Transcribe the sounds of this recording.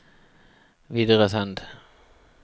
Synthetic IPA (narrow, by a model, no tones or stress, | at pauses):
ʋiːd̪əʁəsand̪